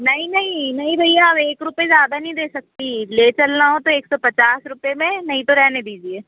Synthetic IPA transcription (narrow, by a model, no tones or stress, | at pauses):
nəĩnəĩːnəĩːbʱəijabeːkɾʊpezjaːd̪aːnĩːd̪eːsək̚t̪iːleːt͡ʃəlnaːɦõt̪õeːksɔːpət͡ʃaːsɾʊpeːmẽnəĩt̪õɾɛːned̪iːd͡ʒieː